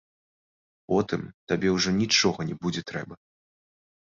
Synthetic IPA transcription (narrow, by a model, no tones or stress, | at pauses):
pɔt̪ɨmt̪abʲɛwʐɔnʲit͡ʂɔɣɐnʲɛbud͡zʲɛt̪ɾɛ̰bɐ